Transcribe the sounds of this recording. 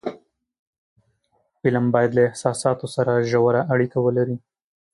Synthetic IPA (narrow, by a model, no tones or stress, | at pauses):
fɪlambɑjad̪laɪhsɑsɑt̪osaɾaʒawaɾaʔaɽikawəlaɾi